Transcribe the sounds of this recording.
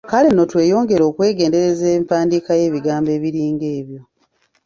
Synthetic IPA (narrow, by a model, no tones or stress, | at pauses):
kale̞no̞twe̞ːjo̞ːŋɡe̞ɾo̞ːkwe̞ːɡe̞ːnde̞ɾezempaːndiːkaje̞ːβiɡaːmbe̞ːβiɾiːŋɡe̞ːβjo̞